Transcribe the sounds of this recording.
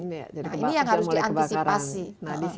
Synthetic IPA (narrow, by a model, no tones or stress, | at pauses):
ainijaŋhaɾʊsdiant̪isipasia